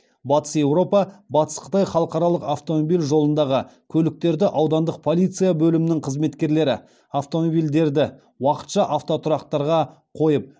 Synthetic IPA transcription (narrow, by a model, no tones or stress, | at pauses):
bɑt̪ə̥sje̞wɾo̞pɑbɑt̪ə̥sqʰə̥t̪ɑjχɑlˠəqɑɾɑlˠəqaft̪o̞mobilʲʒo̞lˠənd̪ɑʁəkʲʰɵlɪk̚t̪e̞ɾd̪ɪʔɑwd̪ɑnd̪əq̚pʰo̞lʲˠijt̪sɨjabɵlɪmɪnɪŋqʰəzme̞t̪kʲe̞ɾle̞ɾɪ̰ | aft̪o̞mobijld̪e̞ɾd̪ɪ | wɑqə̥t̪ʃɑʔaft̪o̞t̪ʰʊɾɑqt̪ɑɾʁɑ | qʰo̞jəp̚